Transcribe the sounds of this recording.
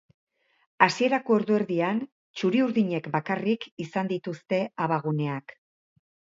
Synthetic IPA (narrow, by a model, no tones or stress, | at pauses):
asie̞ɾako̞eɾðoe̞ɾðian | t͡ʃuɾiuɾðiɲe̞kbakarikisand̪it̪ust̪e̞aβaɣ̞une̞ak